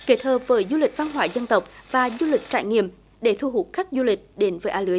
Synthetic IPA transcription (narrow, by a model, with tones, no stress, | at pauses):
ke˨˦˥t̚həː˨˩p̚vəː˨˦jzu˧lï˨˩k̚va˧nɦwaː˧˩jzə˧nt̪ə˨˩wk͡p̚vaː˨˩zu˧lï˨˩k̟̚t͡ɕa̰ː˧˨jŋḭ˧˨əm | ɗe˧˩t̪ʰu˧ɦu˨˩t̚xa˦˥k̟̚zu˧lï˨˩k̟̚ɗe˨˦nvəː˨˦jʔaː˧lɨ˨˦əj